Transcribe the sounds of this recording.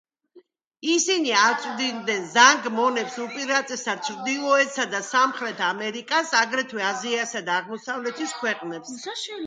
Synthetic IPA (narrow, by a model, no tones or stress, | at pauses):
isiniaɾt̪t͡ʃ̪ʼvd̪ind̪ɛnzaŋɡmɔnɛpsupʼiɾat̪ʼɛsat͡ʃʰɾd̪ilˠɔɛt̪sad̪asamχɾɛt̪ʰamɛɾikʼasaɡɾɛt̪ʰwɛaziasad̪aːʁmɔsavlɛt̪ʰiskʰwɛqʼnɛps